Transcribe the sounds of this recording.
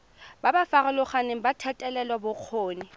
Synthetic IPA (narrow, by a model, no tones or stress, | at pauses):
babafaɣalʊχaneŋ̩batʰatʼɛlɛlwabʊq͡χʰoːnɪ